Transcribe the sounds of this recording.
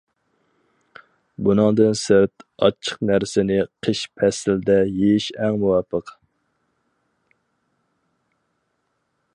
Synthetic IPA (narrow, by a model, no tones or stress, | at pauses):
bunɨŋd̪ɨnsɪɾt̪ɑ̰t͡ʃʰːə̥qnæɾsɪnɪqʰəʃpʰɛsɪld̪ɛjejiʃɛŋmuwɑpʰːəq